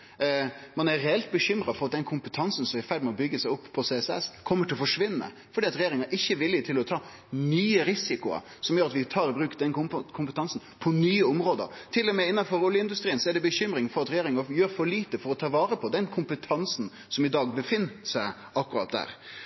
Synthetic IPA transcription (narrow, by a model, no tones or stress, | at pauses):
mɑnæɾɾɛɛlt̪̚bəçʏmɾɑfɔɾɑt̪̚d̪ɛnkʰʊmpət̪ʰɑnsn̩sɔmæfæɾɖmɛɔbʏɡəsæɪɔpʰːɔseːɛsɛ̰skʰɔmːəʈʰɪlɔfɔʂʋɪnːə̰ | fɔɖiːɑt̪ɾɛjeːɾɪŋɑɾʔɪçːəʋɪlːɪt̪ʰɪlɔt̪ʰɑː | nyːəɾɪsɪkʊə̰ | sɔmjøːɾɑt̪ʋɪt̪ʰɑːɾɪbɾʉːkd̪ɛnʊkʰʊmpət̪ʰɑnsn̩pʰɔnyːəʊmɾoːd̪ə̰ɾt̪ʰɪlːɔmɛɪnːɑfɔɾʊljəɪnd̪ʉst̪ɾiːənsɔɛɖɛbəçʏmɾɪŋfɔɾɑt̪ɾɛjeːɾɪŋɑjøːɾfɔɾɭliːt̪əfɔɾɔt̪ʰɑːʋɑːɾəpʰɔd̪ɛnkʰʊmpət̪ʰɑnsn̩ | sɔmɪd̪ɑːɡbəfɪnːsæɪ | ɑkːʉɾɑ̰ːt̪̚d̪æ̰ːɾ